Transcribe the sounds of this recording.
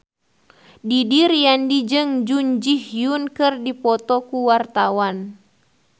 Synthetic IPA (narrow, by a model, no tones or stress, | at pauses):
didirjandid͡ʒɨŋd͡ʒuɲd͡ʒihjunkɨrdipɔt̪ɔkuwart̪awan